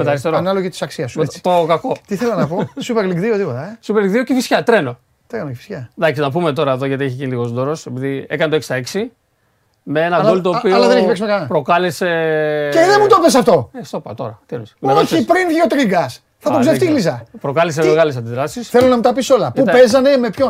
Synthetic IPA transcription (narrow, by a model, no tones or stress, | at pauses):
met̪ɐɾist̪eɾoanɐloʝit̪i̥sɐksiɐst̪okɐko̞t̪iθelɐnɐposupeɾliɡðiot̪ipot̪ɐsupeɾliŋɡðiocifisçɐt̪ɾe̞no̞ | t̪ɾenocefi̥sçɐðɐksi̥snɐpumet̪o̞ɾɐeðo̞ʝɐt̪ieçecind̪iɣo̞szd̪o̞ɾo̞sepiðie̞̰kɐnet̪oeksi̥t̪ɐeksi | meenɐɡolit̪oːpiolɐðeneçpesimekɐnɐpɾo̞kɐleseeðemut̪opes̬ɐft̪o̞est̪opɐ̰t̪o̞̰ɾɐt̪iensmipɾinðiot̪ɾiŋɡɐs | θɐt̪ozeft̪ilizɐpɾo̞kɐlis̬emeɣɐles̬ɐnd̪iðɾɐsisθelonɐmut̪ɐpiso̞lɐpupe̞zɐne̞mepço